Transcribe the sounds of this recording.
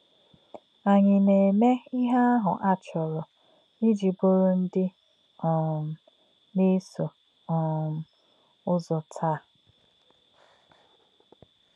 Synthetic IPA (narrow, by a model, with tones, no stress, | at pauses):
a˨ɲɪ˨ne˨me˦i˦ɦa˦a˦ɦʊ̰˨ʔa˦t͡ʃɔ˨ɾɔ˨ | i˦d͡ʒi˨bo˦ɾo˦n̩˦dɪ˦ | ɔ˨m̩˨ | ne˦so˨ | ɔ˨m̩˨ | ʊ˦zɔ˨tʰaː˦˨